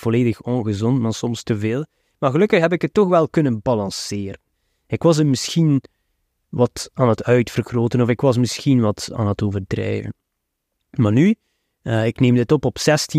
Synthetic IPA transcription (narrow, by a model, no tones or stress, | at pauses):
v̥oleːdəxɔnɣəzɔntmaːsɔmstəveːlˠ | maːɣəlɵkəxɦɛp̬ɪkətːɔxʋɛlˠkɵnənbɑlɑ̃nsɪːɾən | ɪkʋɑsəmɪsxin | ʋɑtaːnətœɥtfərɣroːtənɔfɪkʋɑs̬mɪsxinʋɑta̰ːnətoːvərdrɛ̰ːvə̰n | maːny | ɪkneːmdɪtɔpɔpsɛsti